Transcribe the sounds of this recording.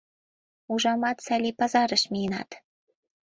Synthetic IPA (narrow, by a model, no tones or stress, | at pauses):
uʒɑmɑt̪sælʲipɑzɑɾɤ̆ʃmʲijnɑ̰t̪